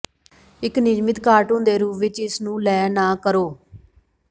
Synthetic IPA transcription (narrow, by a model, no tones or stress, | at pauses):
ɪknɪd͡ʒmɪt̪kaːɾʈõːnd̪eːɾuːʋɪt͡ʃɪsnũːlɛːnaːkəɾoː